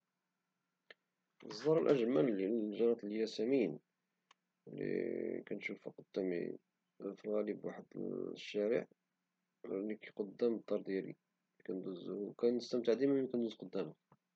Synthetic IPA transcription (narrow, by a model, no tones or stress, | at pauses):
zˤːɑɾˤəlʔæ̰ʒmælːiʒɑɾˤɑt̪ˤljæsæmin | lḭkænʃufiqod̪ːæmḭ | filɣæləbwa̰ħəd̪ʃːæɾə̰ʕ | likæqod̪ːæməd̪ˤːɑɾˤd̪jæɾḭ | kænd̪uzkænəst̪əmt̪aʕd̪imækænd̪əzqod̪ːæmək